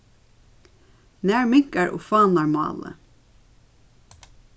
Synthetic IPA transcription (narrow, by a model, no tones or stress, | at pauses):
næːɹmɪŋ̥kaɹʔo̰ːfɑːnaɹmɑ̰ːlə̰